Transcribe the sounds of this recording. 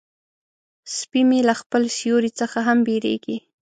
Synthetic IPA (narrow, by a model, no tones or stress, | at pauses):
spimelaxpəlsijoɾit͡səxaɦambeɾḛɡi